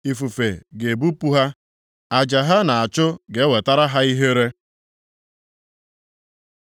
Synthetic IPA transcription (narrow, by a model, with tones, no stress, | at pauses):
i˨fu˨fe˨ɡe˨bu˦pu˦ɦa˦ | a˨d͡ʒa˨ɦa˦na˨a˨t͡ʃʊ˦ɡe˨˦we˨ta˦ɾa˦ɦa˦i˦ɦe˦ɾe˦